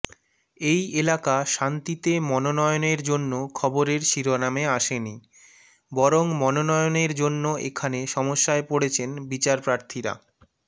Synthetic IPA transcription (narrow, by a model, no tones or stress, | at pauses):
ejelakaʃant̪it̪emɔnonɔeoneɾd͡ʑonːokʰɔboɾeɾʃiɾonameaʃeni | bɔɾoŋmɔnonɔjoneɾd͡ʑonːoʔḛkʰaneʃɔmoʃːaepoɽet͡ɕʰenbit͡ɕaɾpɾaɾt̪ʰiɾa̰